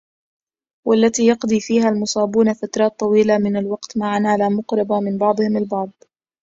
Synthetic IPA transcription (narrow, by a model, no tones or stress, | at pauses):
walːat̪iːjɑqd̪ˤiːfiːɦaːlmʊsˤɑːbuːnafat̪ɾˤɑːt̪ˤːɑwiːlamɪnalwɑqt̪maʕanaːlaːmʊqɾˤɑbamɪnbɑʕd̪ˤɨhɪmalbɑʕd̪̚ˤ